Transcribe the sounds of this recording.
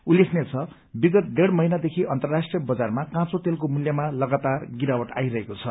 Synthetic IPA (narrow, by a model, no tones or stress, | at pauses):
ulːekʰnet͡sʰʌ | biɡʌt̪̚d̪eɽmʌɦinad̪ekʰiʔʌnt̪ʌrːasʈrijʌbʌd͡zarmakãt͡sot̪elk̬omuljʌmalʌɡat̪arɡiɾawʌʈa̰jɾʌɦekot͡sʰʌ